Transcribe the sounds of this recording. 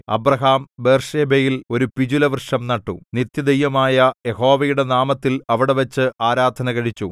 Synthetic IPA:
ɐ̰brɐɦaːmbe̞ːrʂeːbejilo̞ɾupid͡ʑulɐʋrʂɐmnɐʈːṵnit̪jɐd̪ɐjːɐmaːjɐje̞ɦo̞ːʋɐjuɽe̞naːmɐt̪ːilɐʋiɽe̞ʋɐt͡ɕːɨaːɾaːd̪ʱɐnɐkɐɻit͡ɕːu

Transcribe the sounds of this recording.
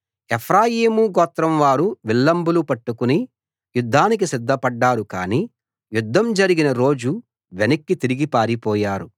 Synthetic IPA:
epʰɾaːjiːmuɡɔːt̪ɾɐmʋaːɾuʋilːɐmbulupɐʈːukuni | jud̪ʱːaːnik̬isid̪ʱːɐpɐɖːaːɾukaːni | jud̪ʱːɐmd͡ʒɐɾiɡinɐɾo̞ːd͡ʒu | ʋenɐkːit̪iɾiɡipaːɾipɔːjaːɾu

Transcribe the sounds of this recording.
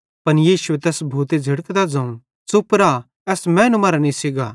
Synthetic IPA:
pɐnjiːʃʊet̪ɛːsbʱuːt̪ed͡zʱɐɽəkd̪ad͡zãːũ | sʊpɾa | ɛːsmɛ̃ːnũmɐːɾanĩsɪɡaː

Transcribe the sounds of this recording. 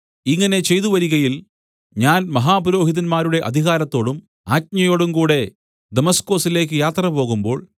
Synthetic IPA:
iŋːɐne̞t͡ɕe̞jt̪uʋɐɾiɣɐjil | ɲaːnmɐɦaːpuɾo̞ːɦiðɐnmaːɾuɽe̞ʔɐ̰d̪ʱiɣaːɾɐt̪ːo̞ːɽum | aːt̚ɲɐjo̞ːɽumkuːɽe̞ | d̪emɐsko̞ːsile̞ːk̬ːɨjaːt̪rɐpo̞ːɣumbo̞ːɭ

